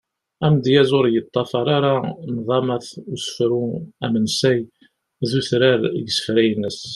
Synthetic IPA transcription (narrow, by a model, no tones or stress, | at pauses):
æmd̪jæzʊɾjət̪ˤːɑfɑɾˤaɾanðˤɑmæθusə̥fɾuæmənsæj | ðuθɾaɾɡəsə̥fɾæjənːəs